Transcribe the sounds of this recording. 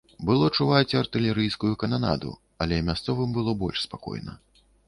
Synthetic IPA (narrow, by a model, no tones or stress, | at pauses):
bɨlˠɔt͡ʂuvat͡sʲɐrt̪ɨlʲɛɾɨjskujukɐnana̰d̪ṵ | ɐlʲɛmʲast̪sɔvɨmbɨlˠɔbɔ̰lʲʂspakɔ̰jnɐ̰